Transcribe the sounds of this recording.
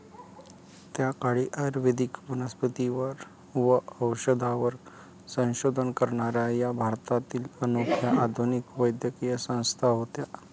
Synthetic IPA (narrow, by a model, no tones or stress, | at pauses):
t̪jakaɽiːʔəɾʋed̪ikbunəspət̪iʋəɾ | ʋəəwɕəd̪ʱaʋəɾ | sə̃w̃ɕod̪ʱənkəɾɳaɾjajabʱaɾt̪at̪iːlənokʰjaʔad̪ʱunikʋəjd̪jəkijəsə̃w̃st̪ʰaɦot̪ja